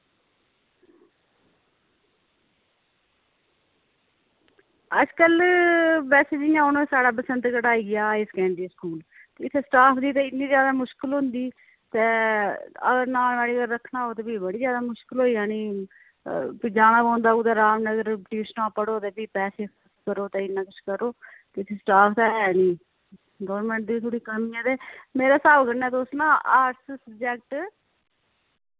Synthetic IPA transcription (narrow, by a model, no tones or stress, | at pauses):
əd͡ʒkəl | bɛːseːd͡ʒɪjãːʊnõẽːsaːɽaːp̬əsənd̪kəʈaːiːɡɪjaːeːskɛ̃ːnɖ̪iːskuːl | t̪eɪt̪ʰːeːsʈaːpʰd̪iːt̪eːɪt̪niːzjaːd̪aːmʊʃkəlɦʊ̃nd̪iː | t̪eː | ə̰ɡəɾnaːlʋaːɽiːəɡəɾːəkʰːnaːɦoːt̪eːbiːbəɽiːzjaːd̪aːmʊʃkəlɦoːiːaːniː | pid͡ʒaːnãːãːnd̪aːuːt̪aːɾaːmnəɡəɾʈiːsnaːpːəɽoːt̪eːbiːpɛːseːkʰəɾskəɾoːt̪eːɪnːãːkʊt͡ʃkəɾoːt̪eːɪt̪ʰːesʈaːpʰt̪aɛːniː | ɡɔːɾmɛ̃ːɳʈ̚d̪iːt̪ʰoːɽiːkəmiãːt̪eːmeːɾaːsaːbkəɾnɛːt̪oʊsnãːaːʈssəbd͡ʒɛːk̚ʈ